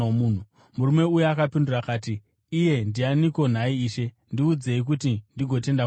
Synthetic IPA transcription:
muːn̤u | muɾume̞ujuakapindurakaːtiː | je̞ndianiko̞n̤aiːʃe̞ | ndiud͡ze̞ik̬utindiɡʱo̞te̞nda

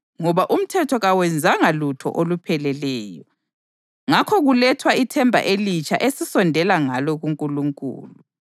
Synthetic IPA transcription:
ŋɔβaʔum̩tʰɛtʰɔɣawɛnd͡zʱaŋalutʰɔ̰ʔolupʰɛlɛlɛːjɔ | ŋakʰɔɣulɛtʰwaitʰɛmbʱa̰ʔelit͡ʃʰʼaʔesisɔndʱɛlaŋalɔɣuŋkʼuluŋkʼṵːlu

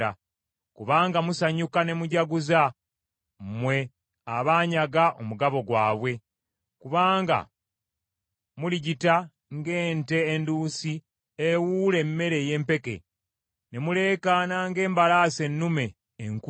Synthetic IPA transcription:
a | kuβaːŋɡamusaɲukane̞muɟaɡuza | mmwe̞ | aβaːɲaɡaʔomuɡaβo̞ɡwaːβwe̞ | kuβaːŋɡa̰ | muliɟita | ŋɡe̞ːnte̞ːnduːsi | ewule̞mːe̞ɾe̞je̞ːmpe̞ke̞̰ | ne̞mule̞ːkanaŋɡe̞ːmbalase̞nːume̞ː | ŋk

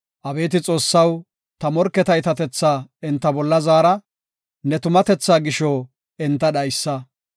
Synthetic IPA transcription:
ʔɐbe̞ːt̪ɪt͡sʼo̞ːsːɐw | t̪ɐmɔɾkːɛt̪ɐjt̪ɐt̪ɛt͡sːaːɪnt̪ːɐbɔlːɐzaːɾɐ | nɛt̪ʊmɐt̪ɛt͡sːaːɡɪʃo | ɪnt̪ːɐɗɐjsːɐ

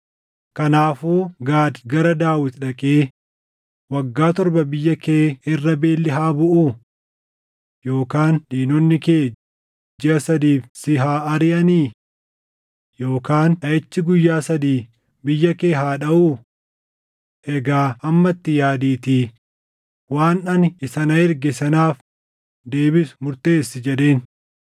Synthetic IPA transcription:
kɐnaːfuːɡaːd̪ɡɐɾɐd̪aːwɪt̪ᶑɐkʼeː | wɐɡːaːt̪ɔɾbɐbɪjːɐkeːɪrːɐbe̞ːlːɪɦaːbʊʔuː | joːkaːnᶑiːnɔnːɪkeː | d͡ʒɪʔɐsɐd̪iːfsɪɦaːɐɾɪʔɐniː | jo̞ːkaːnᶑɐjɛt͡ʃːɪɡʊjːaːsɐd̪iː | bɪjːɐke̞ːɦaːᶑɐʔuː | ʔɛɡaːɐmːɐt̪ːɪjaːd̪iːt̪iː | waːnɐnɪsɐnɐɪɾɡɛsɐnaːf | d̪e̞ːbɪsʊ̥mʊɾt̪e̞ːsːɪd͡ʒɛᶑe̞ːn

